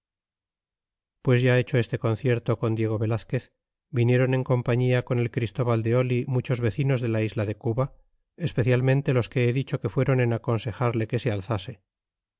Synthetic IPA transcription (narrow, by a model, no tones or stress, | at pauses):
pwe̞zʝae̞t͡ʃo̞e̞st̪e̞ko̞n̟θje̞ɾt̪o̞ko̞nd̪je̞ɣ̞o̞βe̞laθke̞θ | binje̞ɾo̞ne̞ŋko̞mpaɲiako̞ne̞lkɾist̪o̞βald̪e̞o̞limut͡ʃo̞zβe̞θino̞zðe̞laizlaðe̞kuβa | e̞spe̞θjalmẽnt̪e̞lo̞ske̞eðit͡ʃo̞ke̞fwe̞ɾo̞ne̞nako̞nse̞xaɾle̞ke̞sealθase̞